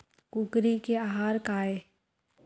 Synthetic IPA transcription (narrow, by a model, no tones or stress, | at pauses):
kʊɡɾikeaɦaːɾkaːe